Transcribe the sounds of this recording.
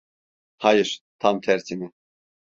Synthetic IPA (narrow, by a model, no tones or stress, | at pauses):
hajɪɾ̥t̪ʰamt̪ʰɛɾt̪ʰimi